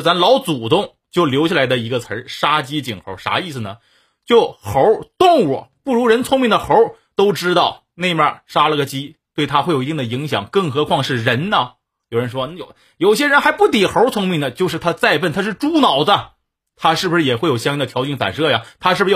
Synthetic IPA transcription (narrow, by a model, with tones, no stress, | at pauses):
t͡sa˧˥nlɑ˧˥ʊt͡su˨˩t̪ʊ˥˧ŋ | t͡ɕjo˥˩ʊljo˧˥ʊt͡ɕʰja˥˩la˧˥ɪd̪ə˧i˧˥ɡə˧t͡sʰə˧˥ʂa˥t͡ɕi˥t͡ɕi˨˩ŋxo̰˧˥ʂa̰˧˥i˥˩s̩˩nə˩ | t͡ɕjo˥˩ʊxo˧˥t̪ʊ˥˩ŋu˨˩pu˥˩ɻu˧˥ɻə˧˥nt͡sʰʊ˥ŋmi˥˩ŋd̪ə˩xo˧˥ | t̪o˥ʊʈ͡ʂɻ̩˥t̪ɑ˥˩ʊ | ne˥˩ɪmjɐ̰˥˧ʂa˥lə˧ɡə˩t͡ɕi˥t̪we˥˩ɪt̪ʰa˥xwe˥˩ji˧t̪i˥˩ŋ˩də˩i˧˥ŋɕ̬jɑ̰˨˩ŋkɤ˥˩ŋxɤ˧˥kʰwɑ˥˧ŋʂɻ̩˥˩ɻə˧˥nɐ˧ | jo˨˩ʊɻə˧˥nʂwɔ˥˧ | jo˨˩ʊɕjɛ˥ɻə˧˥nxa˧˥ɪpu˥˩t̪i˨˩xo˧˥t͡sʰʊ˥ŋmi˥˩ŋd̪ə˩t͡ɕjo˧ʊʂɻ̩˥˩t̪ʰa˥t͡sa˥˧ɪpə˥˩nt̪ʰa˥ʂ̬ɻ̩˥˩ʈ͡ʂu˥nɑ˨˩ʊdə˦ | t̪ʰa˥ʂɻ̩˥˩bu˩ʂɻ̩˥˩jɛ˨˩xwe˥˩ɪjo˨˩ʊɕjŋjŋd̪ə˩t̪ʰjɑ˧˥ʊt͡ɕi˥˩nfa̰˨˩nʂɤ˥˧˩ja˩t̪ʰa˥ʂɻ̩˥˩b̩˧˥˧